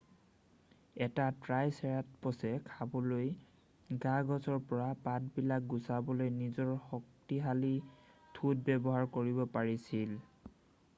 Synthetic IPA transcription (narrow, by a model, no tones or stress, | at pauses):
ɛtatɹajsɛɹat̚pɔsɛkʰabɔloj | ɡaɡɔzɔɹpɔɹapat̚bilak̚ɡusabɔlojnizɔɹxɔk̚tiɦalitʰut̚bɛbɔɦaɹkoɹibɔpaɹisil